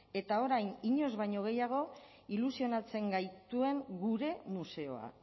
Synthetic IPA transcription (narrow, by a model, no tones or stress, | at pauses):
e̞t̪ao̞ɾajniɲo̞zβajɲo̞ɣ̞e̞jaɣ̞o̞ | ilusio̞nat͡se̞ŋɡajt̪ue̞ŋɡuɾe̞muse̞o̞̰a̰